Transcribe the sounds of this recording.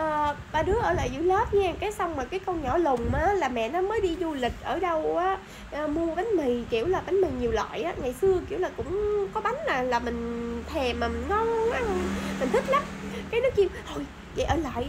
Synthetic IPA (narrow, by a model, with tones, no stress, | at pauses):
ʔəː˨˩ɓaː˧˩ɗɨ˨˥əʔəː˧˩la̰ː˧˨jzṵ˧˩˦ləː˦˥p̚ɲa˧˩kaː˨˦jsa˧wŋ͡mmaː˨˩kaː˨˦jkɔ˧ɲɔ˧˩lʊ˨˩ŋ͡mmaː˨˩˦laː˨˩mɛ̰˧˨nɔ˨˦məː˨˦jɗi˧zu˧lï˨˩k̟̚ʔəː˧˩ɗə˧wʔaː˨˦ | ʔəː˨˧˩mu˧əɓa˨˦ŋ̟mi˨˩jki˧˩əwlaː˨˩ɓa˨˦ŋ̟mï˨˩ŋɲi˨˩əwlwa̰ː˧˨jʔaː˨˦ŋa˨˩jsɨ˧əki˧˩əwlaː˨˩kʊ̰˧˥ŋ͡mkɔ˨˦ɓa˨˦ŋlaː˨˩laː˨˩mï˨˩ŋ̟t̪ʰɛ˨˩maː˨˩mi˨˩ŋŋə˧waː˨˦hmi̟˨˩t̪ï˦˥k̚lə˨˦˥p̚kaː˨˦jnɨ˦˥k̚i˧əw̪ʰo˨˩j | və̰˧˨jʔəː˧˩la̰ː˧˨j